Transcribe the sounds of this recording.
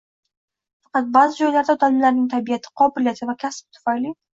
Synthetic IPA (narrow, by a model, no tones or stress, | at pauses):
fɑqɑt̪̚bɑːzɨd͡ʒɒjlaɾd̪awd̪almlaɾnɪŋt̪ʰabɪjat̪ʰɪ̥qʰɒbɪlijat̪ʰɪvakʲʰasb̚t̪ʰːʊ̥fajli